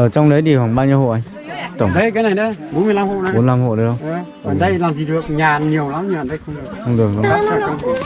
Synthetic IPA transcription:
ʔəː˨˩t͡ɕɔ˧wŋ͡mɗə˨˦jɗi˨˩hwa˨˩ŋɓaː˧ɲɨ˧ho̰˧˨ʔa˧ŋ | t̪ə˧˩˨ŋ͡mɗə˧jkaː˨˦jna˨˩jɗə˨˦jɓo˨˦nmɨ˧ə˨jla˧mho̰˧˨na˨˦ɓo˨˦nla˧mɦo̰˧˨ɗə˧˦jhə˧wʔə˧˦ | aː˨˩nɗə˧jlaː˨˩mzi˨˩ɗɨ˨˩ək̚ɲaː˨˩nɲi˨˩əwla˨˦mɲaː˨˩nɗə˧jxə˧ŋ͡mɗɨ˨˩ək̚xə˧wŋ͡mɗɨ˨˩ək̚ə˧a˦˥t͡ɕɔ˨˩kə˧ŋ͡m

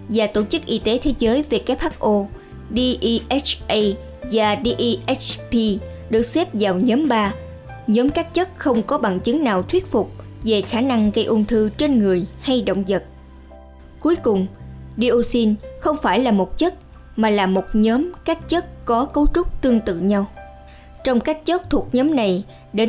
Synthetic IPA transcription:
vaː˨˩t̪o˧˩t͡ɕɨ˦˥k̚ʔi˧t̪e˨˦t̪ʰe˨˦zəː˨˦jve˨˩kaː˦˥p̚haː˦˥k̚ʔo˧ | ɗi˧ʔi˧ʔɛ˦˥t͡ɕʔə˧j | zaː˨˩ɗi˧ʔi˧ʔɛ˦˥t͡ɕpi˧ | ɗɨ˨˩ək̚sɛ˦˥p̚zaː˨˩wɲəː˨˦mɓaː˧ | ɲɔː˨˦mkaː˦˥k̚t͡ɕə˦˥t̚xə˧wŋ͡mkɔ˨˦ɓa̰ː˧˨nt͡ɕɨ˨˦ŋnaː˨˩wt̪ʰwi˦˥ət̚fʊ˨˩k͡p̚ve˨˩xaː˧˩na˧ŋɣə˧jʔu˧nt̪ʰɨ˧t͡ɕe˧nŋɨ˨˩əjha˧jɗo̰˧˨wŋ͡mzə˨˩t̚ | ku˨˦jkʊ˨˩ŋ͡mɗi˧ʔo˧si˧nxə˧wŋ͡mfaː˧˩jlaː˨˩mo˨˩t̚t͡ɕə˦˥t̚ | maː˨˩laː˨˩mo˨˩t̚ɲəː˨˦mkaː˦˥k̚t͡ɕə˦˥t̚kɔ˨˦kə˨˦wt͡ɕʊ˦˥k͡p̚t̪ɨ˧əŋt̪ɨ̰˧˨ɲa˧w | t͡ɕɔ˧wŋ͡mkaː˦˥jk̚t͡ɕə˦˥t̚t̪ʰu˨˩ək̚ɲəː˨˦mna˨˩j | ɗe˨˦

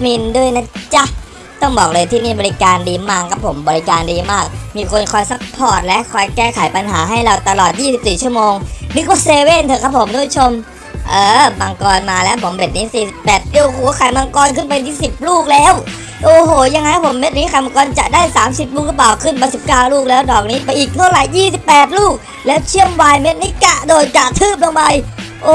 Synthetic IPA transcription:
mi˧ndu˥˩əjna˦˥t͡ɕa˧˥ | t̪ɔ˥˩ŋbɔː˨˩k̚lɤː˧jt̪ʰiː˥˩niː˥˩bɔː˧ɾi˦kaː˧ndiː˧maː˥˩kʰa˦˥pʰːo˩˦mbɔː˧li˦˥kaː˧ndiː˧maː˥˩k̚miː˧kʰo˧nkʰɔː˧jsa˦˥k̚pʰɔː˥˩t̪̚lɛ˦˥ʔkʰɔː˧jkɛː˥˩kʰa˩˦jpa˧nɦaː˩˦ɦa˥˩jɾa˧wt̪a˧lɔː˨˩t̪̚jiː˥˩si˨˩p̚siː˨˩t͡ɕʰu˥˩əmoː˧ŋnɯ˦˥k̚waː˧˩seː˧we˥˩nt̪ʰɤː˧kʰa˦˥pʰːo˨˩˦mɾu˦˥t͡ɕʰo˧m | ʔɤː˨˩ma˧ŋkɔː˧nmaː˧lɛː˦˥wpʰo˩˦mbe˨˩t̪̚niː˦˥siː˨˩si˨˩ppɛː˨˩t̪̚i˧˩əku˨˩˦kʰa˨˩jma˧ŋkɔː˧nkʰɯ˥˩npa˧jt̪ʰiː˥˩si˨˩p̚luː˥˩k̚lɛː˦˥˩w | ʔoː˨˧˩ɦoː˩ja˧ŋːa˧jkpʰo˩˦mːe˦˥t̪̚niː˦˥kʰa˧˩ma˧kɔː˧nt͡ɕa˨˩ʔdaː˥˩jsaː˩˦msi˨˩p̚luː˥˩k̚lɯ˦˥p̬laː˨˩wkʰɯ˥˩nma˧˩si˨˩p̚kaː˥˩wluː˥˩k̚lɛː˦˥wdɔː˨˩k̚niː˦˥pa˧jʔiː˨˩k̚t̪ʰa˥˩wɾa˨˩jːiː˥˩si˨˩pːɛː˨˩t̪̬̚luː˥˩k̚ | lɛː˦˥wt͡ɕʰi˥˩əmwaː˧jme˦˥t̪̚niː˦˥ka˨˩ʔdoː˧jka˨˩ʔt̪ʰɯː˥˩p̚lo˧ŋba˧jʔoː˧˨

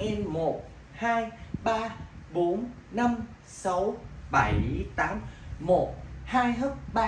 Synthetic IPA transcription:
ʔɛ˧nmo˨˩t̚ | haː˧jɓaː˧ɓo˨˦n | na˧m | sa˨˦wɓa˧˩jt̪aː˨˦mmo˨˩t̚haː˧jɦə˦˥k̚ɓaː˧

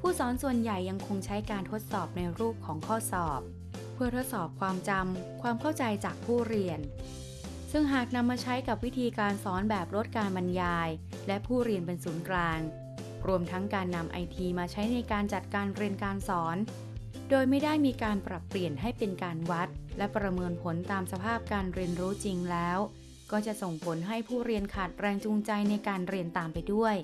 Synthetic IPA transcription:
pʰuː˥˩sɔː˩˦nsu˨˩ənja˨˩jːa˧ŋkʰo˧ŋt͡ɕʰa˦˥jkaː˧nt̪ʰo˦˥t̪̚sɔː˨˩p̚na˧jɾuː˥˩p̚kʰɔː˩˦ŋkʰɔː˥˩sɔː˨˩p̚ | pʰːɯ˥˩ət̪ʰo˦˥t̪̚sɔː˨˩p̚kʰwaː˧mt͡ɕa˧mkʰwaː˧mkʰa˥˩wt͡ɕa˧jt͡ɕaː˨˩k̚pʰuː˥˩ɾi˧ən | sɯ˥˩ŋɦaː˨˩k̚na˧mːaː˧t͡ɕʰa˦˥jka˨˩p̚wi˦˥t̪ʰiː˧kaː˧nsɔː˩˦nbɛː˨˩p̚ɾo˦˥t̪̚kaː˧nba˧njaː˧j | lɛ˦˥pʰuː˥˩ɾi˧ənpe˧nsuː˩˦nklaː˧ŋ | ɾu˧əmt̪ʰa˦˥ŋkaː˧nːa˧mʔa̰˧jt̪ʰiː˧maː˧t͡ɕʰa˦˥jna˧jkaː˧nt͡ɕa˨˩t̪̚kaː˧nɾi˧ənkaː˧nsɔː˩˦n | doː˧jma˥˩jda˥˩jmiː˧kaː˧npɾa˨˩pːli˨˩ənɦa˥˩jpe˧nkaː˧nwa˦˥t̪̚lɛ˦˥pɾa˧mɤː˧npʰo˩˦nt̪aː˧msa˧pʰaː˥˩p̚kaː˧nɾi˧ənɾuː˦˥t͡ɕi˧ŋlɛː˦˥w | kɔː˥˩t͡ɕa˨˩so˨˩ŋpʰo˩˦nɦa˥˩jpʰuː˥˩ɾi˧ənkʰaː˨˩t̪̚ɾɛː˧ŋt͡ɕu˧ŋt͡ɕa˧jna˧jkaː˧nɾi˧ənt̪aː˨˩mpa˧jdu˥˩əj

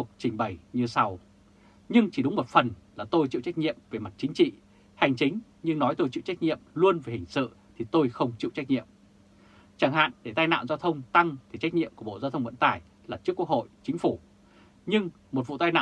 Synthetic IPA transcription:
ək̚t͡ɕï˨˩ŋ̟ɓə˨˩jɲɨ˧sa˧w | ɲɨ˧ŋt͡ɕi˧˩ɗʊ˨˦ŋ͡mmo˨˩t̚fə˨˩nlaː˨˩t̪o˧jt͡ɕḭ˧˨wt͡ɕa˦˥k̚ɲḭ˧˨əmve˨˩ma˨˩t̚t͡ɕï˨˦ŋ̟t͡ɕḭ˧˨ | ha˨˩jŋ̟t͡ɕï˨˦ŋ̟ | ɲɨ˧ŋnɔ˨˦jt̪o˧jt͡ɕḭ˧˨wt͡ɕa˦˥k̚ɲḭ˧˨əmlu˧ənve˨˩hï˨˩ŋ̟sɨ̰˧˨ | t̪ʰi˨˩t̪o˧jxə˧wŋ͡mt͡ɕḭ˧˨wt͡ɕa˦˥k̚ɲḭ˧˨əm | t͡ɕaː˧˩ŋha̰ː˧˨nɗe˧˩t̪aː˧jna̰ː˧˨wzaː˧t̪ʰə˧wŋ͡mt̪a˧ŋt̪ʰi˨˩t͡ɕa˦˥k̚ɲḭ˧əku˧˩əɓo̰˧˨zaː˧wt̪ʰə˧wŋ͡mvə̰˧˥nt̪aː˨˩j | laː˨˩t͡ɕɨ˦˥kːu˦˥ək̚ho̰˧˨jt͡ɕï˨˦ŋ̟fu˧˩ | ɲɨ˧ŋ | mo˨˩t̚vṵ˧˨t̪aː˧jna̰ː˧˨

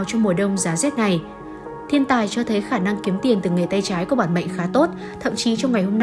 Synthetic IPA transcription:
wt͡ɕɔ˧wŋ͡mmu˨˩əɗə˧wŋ͡mzaː˨˦zɛː˦˥t̚na˨˩j | t̪ʰi˧ənt̪aː˨˩jt͡ɕɔ˧t̪ʰə˨˦jxaː˧˩na˧ŋki˨˦əmt̪i˨˩ənt̪ɨ˨˩ŋe˨˩t̪a˧jt͡ɕaː˨˦jku˧˩˦ɓaː˧˩nɓə̰˧˨jŋ̟xaː˨˦t̪o˦˥t̚ | t̪ʰə̰˧˨mt͡ɕi˨˦t͡ɕɔ˧wŋ͡mŋa˨˩jhɦo˧mn˧

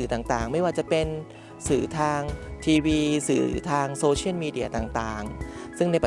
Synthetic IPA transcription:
t̪aː˨˩ŋt̪aː˨˩ŋma˥˩jwaː˥˩t͡ɕa˨˩pe˧n | sɯː˨˩˦t̪ʰaː˧ŋt̪ʰiː˧wiː˧sɯː˨˩˦t̪ʰaː˧ŋsoː˧t͡ɕʰi˥˩əlmiː˧di˧˩ɐt̪aː˨˩ŋt̪aː˨˩ŋsɯ˥˩ŋna˧jpa˨

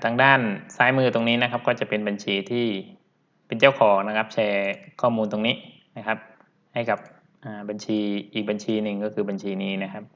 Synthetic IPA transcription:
t̪ʰaː˧ŋdaː˥˩nsaː˦˥jmɯː˥˩t̪o˧ŋniː˦˥na˦˥kʰa˦˥p̚kɔː˥˩t͡ɕa˨˩pe˧nba˧nt͡ɕʰiː˧t̪ʰiː˥˩ | pe˧nt͡ɕa˥˩wkʰɔː˩˦ŋna˦˥kʰa˦˥p̚t͡ɕʰɛː˧kʰɔː˥˩muː˧nt̪o˧ŋniː˦˥ | na˦˥kʰa˦˥p̚ | ha˥˩jka˨˩p̚ | ʔaː˨˩ba˧nt͡ɕʰiː˧ʔiː˨˩k̚ba˧nt͡ɕʰiː˧nɯ˨˩ŋkɔː˥˩kʰɯː˧ba˧nt͡ɕʰiː˧niː˦˥na˦˥kʰa˦˥p̚

